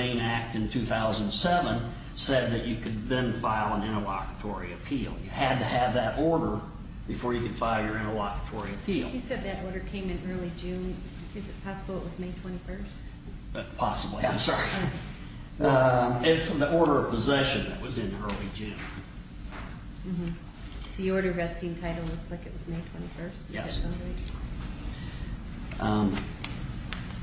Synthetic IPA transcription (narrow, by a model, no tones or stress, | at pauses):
ẽɪ̃næk̚tɨ̃ntʰʉθaʊzə̃nsɛvə̃n | sɛd̪̚ðɨt͡ʃɨkʰɨd̪̚ðɨ̃nfaɪlˠə̃nɪ̃ɾ̃əlɑ̰kə̥tʰɔɹiɨpʰilˠjɨɨd̚tɨɨvðɨɾʔɔɹɾə˞ | b̥ɨfɔɹjɨkɨd̥faɪlˠjə˞ɪ̃ñəlɑkə̥tʰɔɹiɨpʰilˠɨsɛd̪̚ðɨɾɔɹɾə˞kʰẽɪ̃mɨ̃nɜ˞lˠid͡ʒʉ̃n | ɨzɨt̚pʰɑsəbl̩ˠəʔ̚wʌzmeɪtʰw̥ɛ̃ɾ̃ifɜ˞st | ʌpʰɑsəbliãɪ̃msɑɹi | ʌɪsʌ̃mðiʔɔɹɾə˞ʌv̥pəzɛʃɨ̃nðɨ̰ʔ̚wʌzɨ̃nɜ˞lˠid͡ʒʉ̃n | m̩m̥m̩ | ðiɔɹɾə˞ɹɛskɪ̃ŋtʰaɪɾl̩ˠlʊkslaɪkɨʔ̚wʌzmeɪtʰw̥ɛ̃ɾ̃ifɜ˞stɛ̰ɨsʌ̃ndeɪ | ʌ̃m